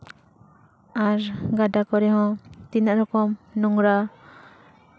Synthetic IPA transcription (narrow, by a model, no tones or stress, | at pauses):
aɾɡaɖakɔɾɛhɔ̃t̪inaʔɾɔkɔmnuŋɾa